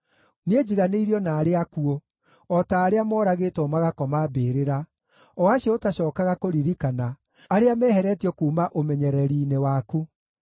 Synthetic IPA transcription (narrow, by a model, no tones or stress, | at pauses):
ned͡ʑiɣaneiɾiɔnaːɾeakuo | ɔtaːɾeamɔːɾaɣeːtɔmaɣakɔmabeːɾeɾa | ɔaɕiɔotaɕɔːkaɣakoɾiɾikana | aɾeamɛːhɛɾɛtiɔkuːmaʔomɛɲɛɾɛɾiːnewaːku